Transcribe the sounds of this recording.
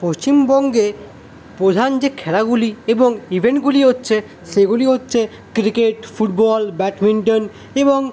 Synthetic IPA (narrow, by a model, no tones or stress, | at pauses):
post͡ɕimbɔŋɡe | pɾod̪ʱand͡ʑekʰɛlaɡulieboŋibʱeɳʈ̚ɡuliɦotːɕʰe | ʃeɡuliɦotːɕʰe | kɾikeʈfuʈ̚bɔlbɛʈmiɳʈon | eboŋ